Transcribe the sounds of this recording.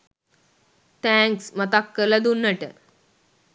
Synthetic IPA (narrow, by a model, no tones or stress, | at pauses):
t̪æ̃ŋksmət̪akːələd̪unːəʈə̰